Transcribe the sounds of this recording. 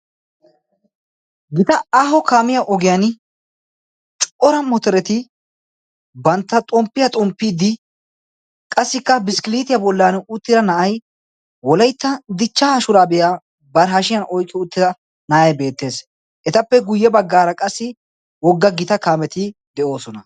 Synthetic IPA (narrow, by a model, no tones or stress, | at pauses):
ɡɪt̪ɐaːɦɔkaːmɪjɐʔɔɡɪjɐn | t͡ʃʼʔɔɾɐmɔt̪ɔɾɛt̪ɪ | bɐnt̪ːɐt̪ʼɔmpːɪjɐt̪ʼɔmpːɪd̪ɪ | kʼɐsːɪkːɐbɪskɪliːt̪ɪjɐbɔlːanʊt̪ːɪɾɐnɐʔɐj | wɔlɐjt̪ːɐd̪ɪt͡ʃːaːʃʊɾaːbɛja | bɐɾɦɐʃɪjɐnɔjkʼːɪʊt̪ːɪd̪ɐ | nɐʔɐjbe̞ːt̪ːe̞ːs | ʔɛt̪ɐpːɛɡʊjːɛbɐɡːaːɾɐkʼɐsːɪ | wɔɡːɐɡɪt̪ɐkaːmɛt̪ɪd̪ɛʔo̞ːsɔnɐ